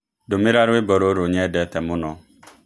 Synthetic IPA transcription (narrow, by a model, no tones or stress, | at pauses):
domiɾaɾɪbɔɾoɾoɲɛ̃dɛtʰɛmʊ̃nɔ̃